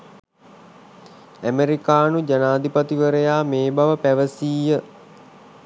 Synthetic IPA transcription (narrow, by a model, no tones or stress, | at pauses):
æmeɾikaːnud͡ʒanaːd̪ipat̪iʋəɾəjaːmeːbaʋəpæʋəsiːjə